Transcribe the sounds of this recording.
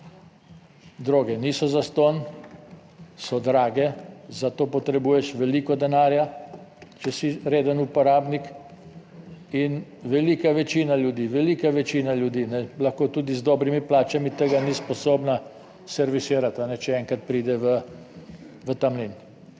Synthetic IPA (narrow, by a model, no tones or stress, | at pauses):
d̪ɾoːɡɛniːsɔzast̪on | sɔd̪ɾaːɡɛzat̪oːpɔt̪ɾɛbuːjɛʃʋɛliːkɔd̪ɛnaːɾja | t͡ʃɛsiɾeːd̪ənupɔɾaːbnik | inʋɛliːkaʋɛt͡ʃiːnaljud̪iːʋɛliːkaʋɛt͡ʃiːnalʲjud̪iːnɛlaxkoːt̪uːd̪izd̪ɔːbɾimiplaːt͡ʃamit̪əɡanispɔsoːbna | sɛɾʋisiːɾat̪anɛt͡ʃɛɛŋkat̪̚pɾiːd̪ɛʋə | ʋət̪amlin